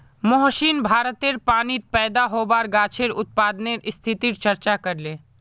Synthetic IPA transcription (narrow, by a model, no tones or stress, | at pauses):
moɦʃinbʱaːɾət̪eɾpaːnit̪̚pɛːd̪aɦoːbaːɾɡaːt͡ʃʰeɾʊt̪̚paːd̪neɾɪst̪ʰɪt̪iɾt͡ʃɐɾt͡ʃakɐɾleː